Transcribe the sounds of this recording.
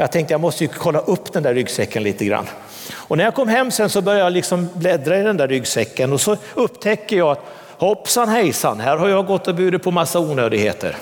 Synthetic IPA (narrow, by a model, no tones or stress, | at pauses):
jɑːɡ̚t̪ʰɛŋkt̪əjɑmɔst̪əjɵkʰɔlːaʔɵpːd̪ɛnd̪æɾːʏɡsvɛkːənliːt̪əɡɾa̰nː | ɔnæɾjakʰɔmːɦɛmːsɛnsɔbœɾjajalɪksɔmblɛd̪ɾaɪd̪ɛnd̪æɾːʏɡsvɛkːənɔsɔɵpːt̪ʰɛkːəjɑːat̪ | hɔpːsanɦɛjsa̰nːhæːɾhaɾjaɡɔt̪ːɔbyːd̪ət̪pʰɔmasːauːnøːd̪ɪɡhḛːt̪ə̰ɾ